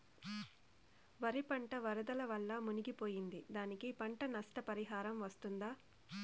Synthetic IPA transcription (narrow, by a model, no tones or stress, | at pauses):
ʋɐɾipɐɳʈɐʋɐɾɐd̪ɐlɐʋɐɭːɐmuniɡipoːjind̪id̪aːnikipɐɳʈɐnɐsʈɐpɐɾiɦaːɾɐmʋɐst̪und̪aː